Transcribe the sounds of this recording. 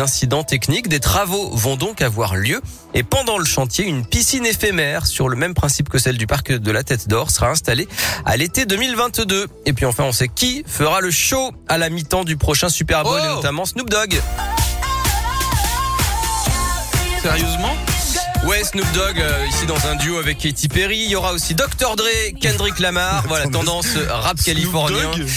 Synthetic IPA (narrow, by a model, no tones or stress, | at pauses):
ɛ̃sid̪ɑ̃t̪ɛknikd̪et̪χavovɔ̃d̪ɔ̃kavwaʁljø | epɑ̃d̪ɑ̃ləʃɑ̃t̪jeynpisinefemɛʁsyʁləmɛmpχɛ̃sipkəsɛld̪ypaʁkd̪əlat̪ɛt̪d̪ɔʁsəʁaɛ̃st̪alea̰let̪ed̪ømilvɛ̃t̪d̪ø | epɥiɑ̃fɛ̃ɔ̃sɛkʲifəʁaləʃo | alamit̪ɑ̃d̪ypχɔʃɛ̃sypɛʁbɔlnɔt̪amɑ̃snub̚d̪ɔɡ | sɛʁjøzmɑ̃wɛsnub̚d̪ɔɡøisid̪ɑ̃zɛ̃d̪joavɛket̪ipeʁiːjɔʁaosid̪ɔkt̪œʁd̪ʁekɛ̃d̪ʁiklamaʁvwalatt̪ɑ̃d̪ɑ̃sʁap̚kalifɔʁnj̃ɛ̃